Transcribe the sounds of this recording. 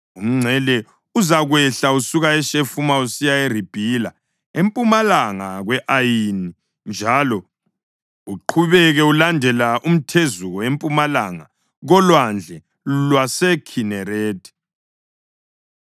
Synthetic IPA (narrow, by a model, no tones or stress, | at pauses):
um̩ŋ͡ǀʱɛlɛ | uzaɣwɛɬausuɣaɛʃefumausijaerib̥ʱila | empʼumalaŋaɣwɛʔajini | nd͡ʒʱalɔ | uǃʰuβɛɣɛulandʱɛlaʔum̩tʰezuɣɔempʼumalaŋa̰ | ɣɔlwand͡ɮʱɛ | lwasɛkʰinɛreːdʰʱʼɛ̥